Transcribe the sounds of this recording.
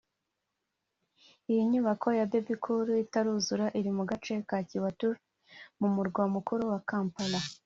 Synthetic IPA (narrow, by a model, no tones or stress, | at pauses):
ijiɲuːβakʰo̞jabebikʰuɾuitaɾuzuɾaʔiɾimuɡat͡ʃe̞kaːciwatu | mumuɾɡwamukuɾuwakaːmpala